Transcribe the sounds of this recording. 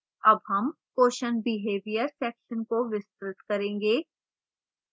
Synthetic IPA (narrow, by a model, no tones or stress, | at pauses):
ɐbɦɐm | koːʃənbɪɦeːʋijəɾsɛːkʃənkoʋɪst̪ɾɪt̪kɐɾẽːŋɡeː